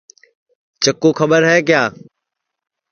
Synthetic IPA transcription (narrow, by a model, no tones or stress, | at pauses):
t͡ɕɐkːoxɐɓəɾɦɛːkjaː